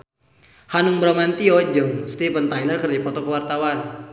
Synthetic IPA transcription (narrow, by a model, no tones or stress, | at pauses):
hanʊŋbɾamant̪iɔd͡ʒəŋst̪ipənt̪ajlərkərdipɔt̪ɔkəwart̪awan